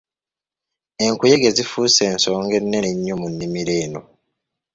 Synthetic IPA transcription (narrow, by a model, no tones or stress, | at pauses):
e̞ŋkujeɡe̞zifuːse̞ːnso̞ːŋɡe̞nːeɲːomunːimiɾe̞ːno̞